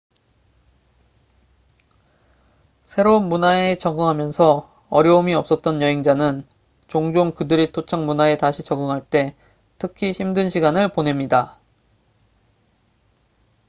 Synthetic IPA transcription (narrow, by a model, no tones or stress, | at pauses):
sʰe̞ɾonmunae̞t͡ɕʌɡɯŋɦamjʌnsʰʌ | ʌɾjʌumiʌp̚s͈ʌt̚t͈ʌnjʌɦeŋd͡ʑanɯn | t͡ɕoŋd͡ʑoŋkɯdɯɾitʰot͡ɕʰaŋmunae̞taɕʰit͡ɕʌɡɯŋɦaɭt͈e̞ | tʰɯkʰiçimdɯnɕʰiɡanɯɭpone̞mɲida